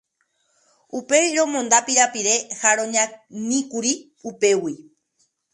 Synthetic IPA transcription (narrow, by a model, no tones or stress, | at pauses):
upe̞ɾõ̞mõnd̪apiɾapiɾe̞haɾõɲãnĩkuɾi | upe̞wi